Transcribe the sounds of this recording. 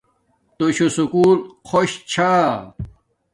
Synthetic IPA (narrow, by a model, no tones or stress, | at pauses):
t̪oɕusukuːlxʰoɕt͡ɕʰa